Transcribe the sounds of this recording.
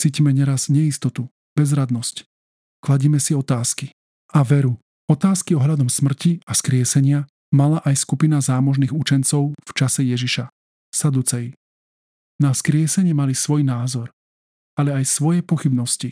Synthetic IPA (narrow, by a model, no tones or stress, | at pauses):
t͡siːcimɛɲɛɾazɲɛist̪ɔt̪u | b̥ɛzɾad̪nɔsc | klaɟiːmɛsiɔt̪aːski | aʋɛɾu | ɔt̪aːskiɔɦʎad̪ɔmsmr̩ciaskɾɪɛsɛɲɪa | malaʔajskupinazaːmɔʒniːɣut͡ʃɛnt͡sɔʊft͡ʃasɛjɛʒiʃa | sad̪ut͡sɛj | naskɾɪɛsɛɲɪɛmalisʋɔjnaːzɔɾ | alɛajsʋɔjɛpɔxibnɔsci